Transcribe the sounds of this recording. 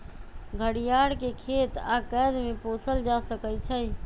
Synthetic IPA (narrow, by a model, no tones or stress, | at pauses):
ɡʱəɽijaɽkekʰet̪akɛd̪meposʰəld͡ʒasəkət͡ʃʰə